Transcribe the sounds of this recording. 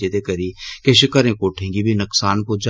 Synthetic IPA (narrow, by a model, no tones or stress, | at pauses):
et̪ekɐɾikeʃɪkəɾẽːkoːʈʰẽːŋɡibʱinʊksaːnkod͡ʒ